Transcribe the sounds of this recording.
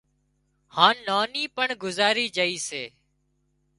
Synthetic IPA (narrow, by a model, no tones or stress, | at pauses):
hãːnːaːniːpəɳɡʊzaːɾiːd͡ʒəiːseː